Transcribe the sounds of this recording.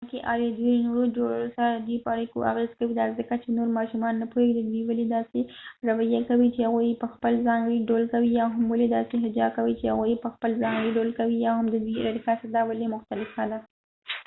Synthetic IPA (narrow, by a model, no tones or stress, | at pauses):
keʔɑwjed̪winoɾod͡ʒoɽɽosaɾad̪əd̪wipəaɽikoʔa̰ɣezkawid̪azəkat͡ʃenoɾmɑʃumɑnːapoeɡid̪əd̪wiwaled̪ɑseɾawajakawit͡ʃehaɣujpəxpəlzɑŋɡɽiɖolkawijɑɦamwaled̪ɑseɦɪd͡ʒɑkawit͡ʃehaɣujepəxpəlzɑŋɡɽiɖolkawijɑhamd̪əd̪wiɾaɾikasad̪ɑwalemʊxt̪alɪfxad̪a